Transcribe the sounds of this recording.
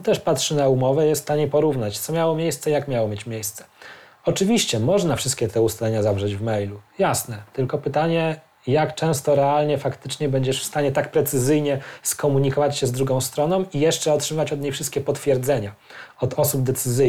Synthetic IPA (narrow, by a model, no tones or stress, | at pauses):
t̪ɛʂpatʂɘnaumɔvɛjɛst̪t̪ːaɲepɔɾuvnat͡ɕt̪sɔmʲjawɔmʲjejst̪sɛijakmʲjawɔmʲjet͡ɕmʲjejst̪sɛ̥ | ɔt͡ʂɘvʲiɕt͡ɕɛmɔʐnafʂɘst̪kʲɛt̪ʰɛust̪alɛɲazavʐɛd͡ʑvmɛjlujasnɛt̪ɘlkɔpɘt̪aɲɛ | jakt͡ʂɛ̃w̃st̪ɔɾɛalɲɛfakt̪ɘt͡ʂɲɛbɛɲd͡ʑɛʂfst̪aɲɛt̪ak̚pɾɛt̪sɘzɘjɲɛskɔmuɲikɔvat͡ɕɕɛzd̪ɾuɡɔ̃w̃st̪ɾɔnɔ̃w̃ijɛʂt͡ʂɛɔtʂɨmavat͡ɕɔd̪ɲejfʂɘst̪̚kʲɛpɔt̪fʲjɛɾd̪zɛɲa | ɔd̪ɔsub̚d̪ɛt̪sɘzɘ